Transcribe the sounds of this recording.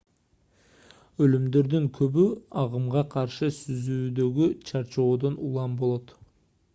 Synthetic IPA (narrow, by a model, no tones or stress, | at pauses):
ɵlymd̪e̞ɾd̪ɪŋkʲʰɵbyɑʁəmʁɑqʰɑɾʃɨsyzyːd̪ø̞ɡʲyt͡ʃʰɑɾt͡ʃo̞ːd̪onulˠɑmbo̞lˠot̪